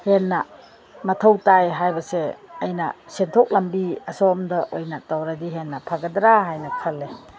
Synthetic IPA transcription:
henːɐ | mɐtʰɐwtajɦajbɐseɐjnɐ̰sentʰɔk̚lɐmbiɐsɔmdɐʔojnɐtawɾadiɦenːɐpʰaɡɐdɾaɦajnɐkʰɐlːe

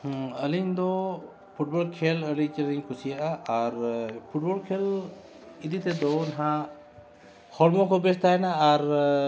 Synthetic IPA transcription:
əliɲd̪ɔ | pʰuʈ̚bɔlkʰeləɽit͡ʃɛɾiɲkʰusijaʔaaɾpʰuʈ̚bɔlkʰel | id̪it̪ɛd̪ɔnɦã | hɔɽmɔkʰɔbɛst̪ajɛnaːɾ

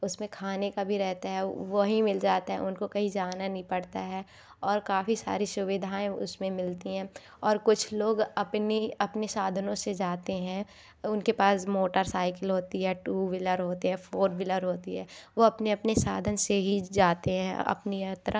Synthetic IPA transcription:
ʊsmẽkʰaːnekabʱiɾɛɦt̪aɦɛʋoɦimɪld͡ʒaːt̪aɦɛ̰ʊnkokɐɦid͡ʒaːnanɦĩpɐɽt̪aɦɛː | ɔːɾkaːfisa̰ːɾisʊʋɪd̪ʱaːẽʊ̰smẽmɪlt̪iɦɛ̃ː | ɔːɾkʊt͡ʃʰloːɡɐpniɐpnesaːd̪ʱənõsed͡ʒaːt̪eɦɛ̃ | ʊnkepaːsmoːʈəɾsaːɪkəlɦoːt̪iɦɛːʈuːʋɪləɾɦoːt̪eɦɛ̃fʰoːɾʋɪləɾɦoːt̪iɦɛːʋoɐpneɐpnesaːd̪ʱənseɦid͡ʒaːt̪eɦɛ̃ɐ̰pniɐt̪ɾə

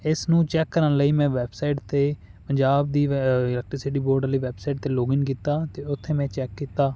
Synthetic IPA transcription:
ɪsnũːt͡ʃɛːkːəɾənləiːmɛ̃ːʋɛːbsaiʈt̪eː | pəɲd͡ʒaːb̚d̪iːɪlɛːk̚ʈɾsɪʈiːboːɾɖləiːʋɛːbsaɪʈ̚t̪eːloːɡɪŋkiːt̪aːt̪eːʊt̪ʰːeːmɛ̃ːt͡ʃɛːkːiːt̪aː

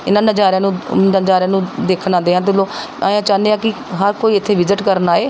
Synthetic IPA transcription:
ɪnãːnəd͡ʒaːɾãːnũːnəd͡ʒaːɾãːnũːd̪eːkʰnãːnd̪eːɦãːt̪̬ɪloː | aːjãːt͡ʃãːnd̪eːãːkɪ | ɦəɾkoːiːɪt̪ʰːeːʋɪzɪʈkəɾnaːeː

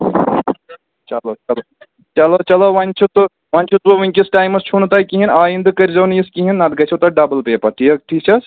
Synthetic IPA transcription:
t͡ʃɐlot͡ʃɐlo | t͡ʃɐlot͡ʃɐloʋanʲt͡ʃʰut̪u | ʋanʲt͡ʃʰut̪ʋoʋɐŋʲkʲisʈaːjmɐst͡ʃʰunt̪aːkiɦinaːjind̪kɐɾʲzɐːnjiskiɦinːɐd̪̚ɡɐt͡ʃʰɐt̪ɐɖɐbəlpeːpɐʈʰiɐk̚ʈʰiːt͡ʃʰɐs

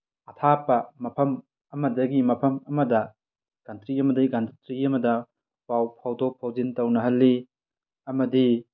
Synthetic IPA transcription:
ɐtʰapɐmɐpʰɐm | ɐmɐdɐɡimɐpʰɐmɐmɐdɐ | ɡ̥ɐntɾiɐmɐdɐiɡɐntɾiɐmɐdɐ | pawpʰawdok̚pʰawzintɐwnɐɦɐlːi | ɐmɐdi

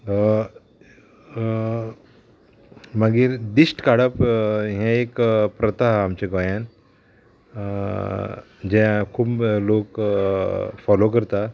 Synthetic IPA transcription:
məɡiːɾd̪isʈkaɽəpɦjãekpɾət̪aɦamt͡ɕeɡɔjãn | d͡ʑɛ̃kʰuːblok | fɔlokəɾt̪a

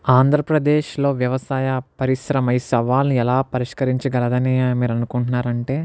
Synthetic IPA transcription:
aːnd̪ʱɾɐpɾɐd̪eːʃlo̞ːʋjɐʋɐsaːjɐpɐɾisɾɐmɐjsɐʋaːlniɛlaːpɐɾiʂkɐɾiɲt͡ʃɐɡɐlɐd̪ɐnimiːɾɐnukuɳʈunːaːɾɐɳʈe̞ː

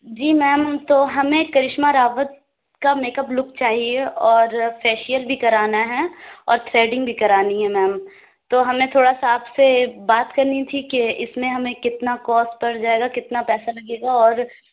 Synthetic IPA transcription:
d͡ʒiːmɛːmt̪oːɦɐmẽkɐɾɪʃmaɾaːʋət̪̚ | kameːkəplʊkt͡ʃaːɦieɔːɾfɛːʃijəlbʱikɐɾaːnaɦɛɔːɾt̪ʰɾeːɖɪ̃ŋɡbʱikɐɾaːniɦɛmɛːm | t̪oːɦɐmẽt̪ʰoːɽasaːbsebaːt̪kɐɾnit̪ʰikeɪsmẽɦɐmẽkɪt̪nakɔːspɐɽd͡ʒaːeːɡakɪt̪napɛːsalɐɡeːɡaɔːɾ

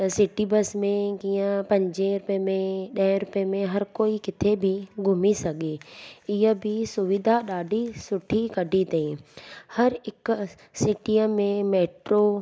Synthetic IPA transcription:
sɪʈibɐsmẽkiːə̃pɐ̃ɲd͡ʑẽɾʊpemẽɗɐ̃ɾʊpemẽɦɐɾkoːikɪt̪ʰebʱɪɡʱʊmisɐɠeɪɦəbʱɪsʊʋɪd̪ʱaɗaːɖʱisʊʈʰikɐɖʱit̪eĩhɐɾɪk | sɪʈiəmẽmeːʈɾo

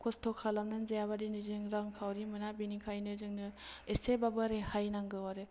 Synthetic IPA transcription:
kʰɔstʰɔkʰːalamnɯnzejaβadinɯzɯŋɾaŋkʰawɾimɯnabinikʰajnɯzɯŋnɯesebabɯɾehajnaŋɡɯwaɾe

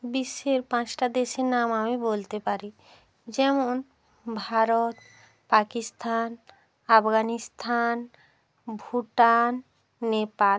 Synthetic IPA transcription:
biʃːeɾpãt͡ɕʈad̪eʃeɾnamamibolt̪epaɾi | d͡ʑɛmon | bʱaɾot̪̚ | pakist̪ʰan | apɡanist̪ʰan | bʱuʈanː | epal

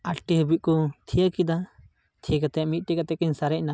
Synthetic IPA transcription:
aʈʈiɦəbiʔ̚kɔt̪ʰijəkid̪a | t̪ʰijəkat̪ɛʔmit̪̚ˀʈɛkat̪ɛkəɲsaɾɛʔ̚na

